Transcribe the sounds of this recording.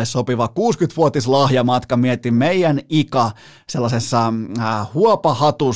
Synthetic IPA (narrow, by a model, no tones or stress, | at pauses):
essopiʋɑkuːskyt̪ʋuot̪islɑhjɑmɑt̪kɑmiet̪immeijænikɑ | selːɑsesːɑhuopɑhɑt̪u